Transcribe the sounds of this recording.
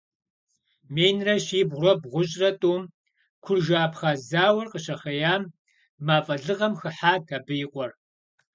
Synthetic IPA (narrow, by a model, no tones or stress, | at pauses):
meːjnrɐɕiːbʁʷrɐbʁʷʊɕʼrɐtʼuːm | kʷʰʊrʒaːpχazaːwɐrqəɕɐχɐjaːmː | aːfʼɐɮɨʁɐmxɨħaːtʰɐbɨjɪqʷʼɔr